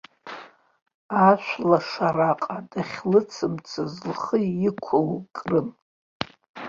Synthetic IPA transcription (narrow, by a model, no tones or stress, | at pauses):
aʃʷlaʂaraqʼadaχʲlɨt͡sʰɨmt͡sʰazlχəɪkʷʰowkʼrɨm